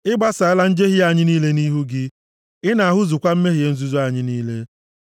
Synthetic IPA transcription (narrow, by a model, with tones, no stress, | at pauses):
ɪ˦ɡ͡ba˦sa˨ɪ˦la˦n̩˦d͡ʒe˦ɦi˦a˨ɲɪ˦niː˦le˦niː˦ɦu˦ɡɪ˦ | ɪ˦na˨a˨ɦʊ˦zʊ˨kʷa˦m̩˦me˦ɦi˨e˨˦n̩˦zu˦zu˦a˨ɲɪ˦niː˦le˦